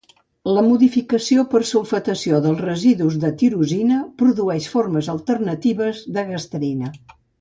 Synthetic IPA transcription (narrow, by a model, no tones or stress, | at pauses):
ləmuðifikəsiopərsulfət̪əsioðəlˠzrəziðuzðət̪iɾuzinəpɾuðuɛʃforməzəlˠt̪ərnət̪iβəzðəɣəst̪əɾinə